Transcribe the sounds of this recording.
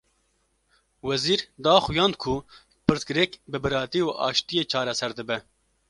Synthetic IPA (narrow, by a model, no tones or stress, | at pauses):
wɛziːɾd̪ɑːxujɑːnd̪̚kʰu | pʰɨɾt̪ɡɨɾɛkbɨbɨɾɑːt̪iuʔɑ̰ːʃt̪ijeːt͡ʃʰɑːɾɛsɛɾd̪ɨbɛ